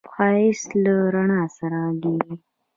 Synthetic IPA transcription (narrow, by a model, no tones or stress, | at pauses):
xɑɪslaɾaɳɑsaɾaɡeɾi